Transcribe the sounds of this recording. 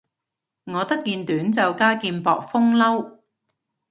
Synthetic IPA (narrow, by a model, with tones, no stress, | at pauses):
ŋɔː˨˧t̪ɐ˥k̚kiː˧nt̪yː˨˥nt͡sɐ˨wkaː˥kiː˧npɔː˨k̚fʊ˥ŋlɐ˥w